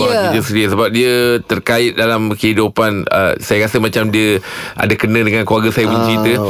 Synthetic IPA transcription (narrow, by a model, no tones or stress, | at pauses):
udəsədiəsəbap̚diət̪ərkaɪt̪̚dalamkəɦidupanə̰sajakasəmat͡ʃamdiə | ʔa̰dakənə̃dəŋankluaɡəsajabəɲt͡ʃɾit̪ə